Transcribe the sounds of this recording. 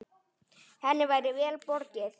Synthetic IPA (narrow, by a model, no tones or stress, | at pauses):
hɛnːɪvajɾɪvɛːlpɔɾcɪθ